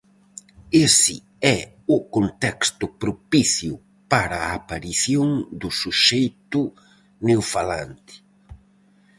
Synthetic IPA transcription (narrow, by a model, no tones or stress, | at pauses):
esɪ | ɛ | ʊkõnt̪ɛkst̪ʊpɾopiθjʊ | paɾaːpaɾiθjoŋd̪ʊsuʃejt̪ʊ | newfala̰nt̪ɪ̥